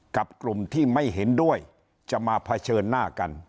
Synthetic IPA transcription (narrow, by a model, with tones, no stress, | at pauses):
ka˨˩p̚klu˨˩mt̪ʰiː˥˩ma˥˩jɦe˩˦ndu˥˩əj | t͡ɕa˨˩ʔmaː˧pʰa˧t͡ɕʰɤː˧nːaː˥˩ka˧n